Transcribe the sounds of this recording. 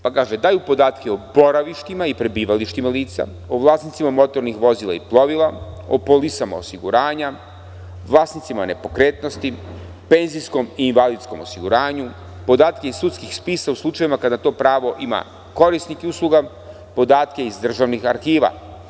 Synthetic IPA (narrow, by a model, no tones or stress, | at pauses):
pakaːʒed̪aːjupo̞d̪aːt̪keobo̞ɾaʋiʃt̪imaipɾebiːʋaliʃt̪imaliːt̪sa̰ | oʋlˠaːsnit̪simamo̞t̪o̞ɾnixʋo̞zilˠa̰iplˠo̞ʋilˠao̰polisama̰o̞̰siɡuɾaːɲa | ʋlˠaːsnit̪simaone̞po̞kɾeːt̪no̞st̪i | pe̞nziskomiːnʋalid̪sko̞̰mo̞̰siɡuɾaːɲu | po̞d̪aːt̪ke̞izsut̪skixspiːsauslˠut͡ʃaʋimakad̪at̪o̞ːpɾaːʋo̞ʔima̰ | ko̞ɾist̪nikiuslˠuɡa | po̞d̪aːt̪ke̞izd̪r̩ʒaʋnixaɾxiːʋa̰